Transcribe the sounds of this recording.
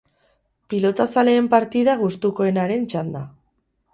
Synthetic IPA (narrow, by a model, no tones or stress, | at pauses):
pilo̞t̪asale̞ːmpaɾt̪iðaɣ̞ust̪ukoe̞naɾe̞nt͡ʃand̪a